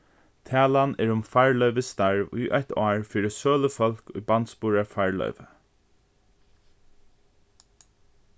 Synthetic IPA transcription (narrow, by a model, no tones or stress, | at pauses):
t̪ʰæːlanɛɹʊmfaɹlœʏʋəst̪aɹʋṵjʔœt̪ɑːɹfiːɾɪsøːləfɔlkʊ̰jbant̪spuːɹafaɹlœ̰ʏʋə